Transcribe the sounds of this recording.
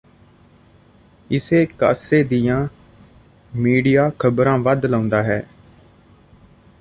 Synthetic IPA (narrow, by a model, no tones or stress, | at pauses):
ɪseːka̰ːseːd̪ijãː | miːɖijaːkʰəbɾãːʋəd̪lãːʊ̃nd̪aːɦɛː